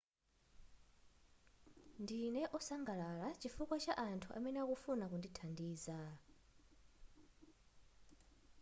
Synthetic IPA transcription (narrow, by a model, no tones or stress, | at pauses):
ndinɛʔɔsaŋɡalalat͡ʃifukwat͡ʃaʔantʰuʔa̰mɛnɛakufunakunditʰandiːza